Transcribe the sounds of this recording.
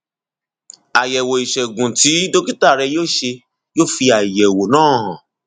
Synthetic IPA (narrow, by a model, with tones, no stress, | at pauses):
a˨jɛ˨wo˨i˨ʃɛ˨ɡũ˨ti˨˦do˦ki˦ta˦˨ɾɛ˧joː˦ʃe˧ | jo˦fi˧a˨jɛ˨wo˨nãː˦ɦã̰˨